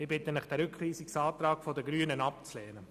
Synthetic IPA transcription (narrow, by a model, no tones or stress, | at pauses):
ɪbɪtənɪχd̥ɛɾʏkχʁiːsiksɑːt̪ɾɑːkfɔdəɡɾyənənɑp̚t͡slɛːnə